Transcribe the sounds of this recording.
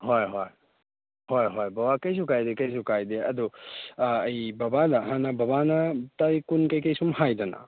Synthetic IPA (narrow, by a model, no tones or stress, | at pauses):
hojɦoj | hojɦojbɐbakɐjs̬ukajdekɐjs̬ukajdeɐdu | ɐjbɐbadɐɦanɐbɐβanɐtajkunkɐjkɐjsumhajdɐnɐ̰